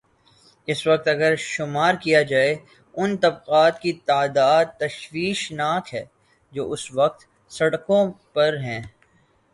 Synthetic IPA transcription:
ɪsʋɐq̚t̪ɐɡəɾʃʊmaːɾkijad͡ʒaːe | ʊnt̪ɐbqaːd̪kit̪aːd̪aːd̪̚t̪ɐʃwiːʃnaːkɦɛː | d͡ʒoːʔʊsʋɐq̚t̪ | sɐɽkõpɐɾɦɛ̃ː

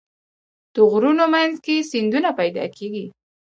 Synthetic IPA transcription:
d̪̥əɣɾunomanzkesɪnd̪unapajd̪ɑ̰kʰeɡi

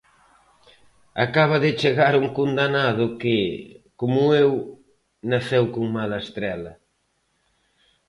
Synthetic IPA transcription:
a̰kaβ̞ɐðɪt͡ʃeɣaɾuŋkund̪anaðʊkɪkomʊew | naθewkoŋmalɐest̪ɾɛlɐ

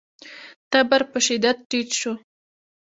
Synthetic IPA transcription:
t̪abaɾpəʃɪd̪ad̪̚ʈit̪ʃu

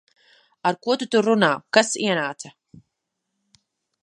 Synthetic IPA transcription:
aɾkuɔt̪ut̪uɾunaːkasiɛnaːt̪sa

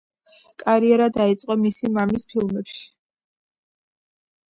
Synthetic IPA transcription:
kʼaɾiɛɾad̪ait̪sʼqʼɔmisimamispʰilˠmɛpʃi̥

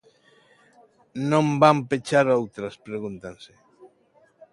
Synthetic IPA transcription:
nõmbampet͡ʃaɾowt̪ɾaspɾeɣunt̪anse

